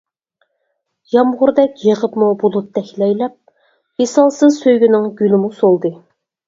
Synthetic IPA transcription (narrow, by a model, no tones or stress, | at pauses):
jɑmʁʊɾd̪ɛkʲjəʁəpmubulˠup̚d̪ɛkʲlɛjlɛp̚ | esɑlˠsɨzsøjɡʲynɪŋɡʲylɪmusolˠd̪ɨ